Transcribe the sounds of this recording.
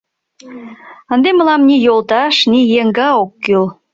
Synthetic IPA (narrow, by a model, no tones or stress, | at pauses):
ə̆nd̪emə̆lɑmnʲijolˠt̪ɑʃnijeŋɡɑokːyl